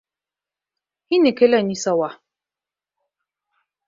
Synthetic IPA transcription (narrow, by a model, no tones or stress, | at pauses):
hinikelanisawa